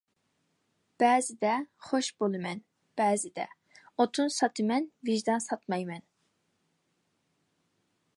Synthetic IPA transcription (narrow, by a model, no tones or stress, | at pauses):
b̥ɛːzɪd̪ɛχoʃb̥olˠɨmɛn | b̥ɛːzɪd̪ɛ̰ | ot̪ʰunsɑt̪ʰɨmɛnviʒd̪ɑnsɑt̪mɑjmɛn